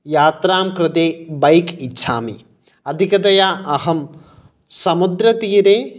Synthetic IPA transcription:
jaːt̪ɾaːmkɾɪd̪eːbɐjkitːʃʰa̰ːmḭ | ɐd̪ʱikɐd̪ɐjaɐɦɐm | sɐmud̪ɾɐt̪iːɾeː

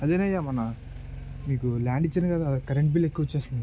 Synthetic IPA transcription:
ɐd̪eːnɐjːaːmɐnɐ | miːkulaːɳɖit͡ʃːɐnkaːd̪akɐɾeɳʈbile̞kːuʋɐt͡ʃːeːsind̪ii

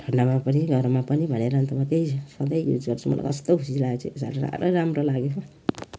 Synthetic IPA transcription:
dʱʌnamapʌniɡʱʌɾmapʌnibʱʌneɾʌnt̪umat̪ejsʌd̪ʌjjṵd͡zɡʌrt͡sʰumʌ̰la̰jkʌst̪oɦusislat͡sʰues̬a̰ɾoɾa̰ɾoɾamɾolaɡea

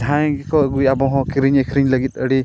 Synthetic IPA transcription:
dʱãjɡɛkɔɡujabɔɦɔ̃kɾiɲɛkɾiɲləɡit̪̚əɽi

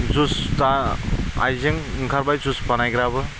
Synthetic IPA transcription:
zustaa̰jzeŋɯŋkʰaɾbajzuspanajɡɾabɯ

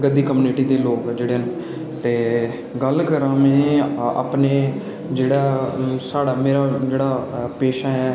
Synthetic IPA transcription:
ɡəd̪ːiːkəmuːnɪʈiːd̪eːloːkd͡ʒeːɽeːn | t̪eː | ɡəlkəɾãːmẽːa̰ːpneː | d͡ʒeːɽaːsaːɽaːmeːɾaːd͡ʒeːɽaːpeːʃaːɦɛː

